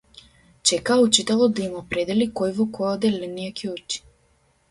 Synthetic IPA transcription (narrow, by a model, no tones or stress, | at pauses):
t͡ʃɛkaut͡ʃit̪alˠɔd̪aimɔpɾed̪ɛlikojvɔkɔjɔd̪ɛlənijakʰiut͡ʃi̥